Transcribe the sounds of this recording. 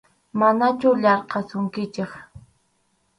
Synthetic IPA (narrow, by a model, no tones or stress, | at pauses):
manat͡ʃʊʎɑɾqɑsʊŋkɪt͡ʃɪχ